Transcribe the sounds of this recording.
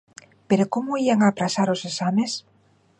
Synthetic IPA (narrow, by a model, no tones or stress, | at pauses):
peɾokomoiaŋaːpɾasaɾosesames